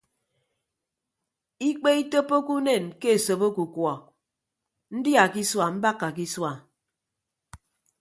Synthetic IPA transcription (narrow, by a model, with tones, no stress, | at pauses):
i˦k͡pe˦i˦to˦pːo˦ku˦ne˦˨nke˦e˨so˨bo˦ku˨kwɔ˨ | n̩˦dja˨ki˦swa˨m̩˦ba˦kːa˨k̬i˦swa˨